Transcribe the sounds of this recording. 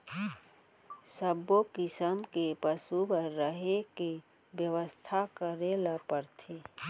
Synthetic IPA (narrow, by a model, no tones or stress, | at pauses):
səbokɪsəmkepəsubəɾːəɦeke | bjəʋəst̪ʰakəɾelapəɾt̪ʰeː